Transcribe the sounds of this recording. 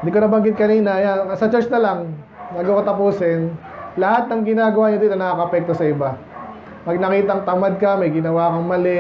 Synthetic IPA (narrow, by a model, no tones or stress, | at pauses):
nd̪ɪkonɐbɐŋɡɪt̪̚kɐniːnɐɐjanɐsɐt͡ʃɛsnɐlɐŋ | nɐɡokɐt̪ɐpuːsɛn | lɐhat̪̚nɐŋɡɪnaːɡɐwaːɲod̪iːt̪onɐakɐʔɐpɛk̚t̪osɐɪba | pɐɡ̚nɐkiːt̪ɐŋt̪ɐmad̪̚kɐmɐjɡɪnɐwaːkɐŋmɐlɛ